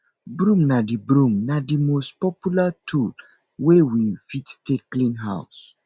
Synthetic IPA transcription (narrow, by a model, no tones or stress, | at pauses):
bɾũmnadibɾũmnadimostpɔpjulatʰul | wewifittekːlĩnɦa̰ʊs